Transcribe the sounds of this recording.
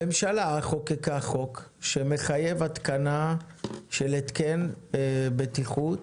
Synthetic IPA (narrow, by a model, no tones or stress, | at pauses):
memʃalaχokekaχo̞kʃeme̞χaje̞vat̪kana | ʃelet̪ken | bet̪iχut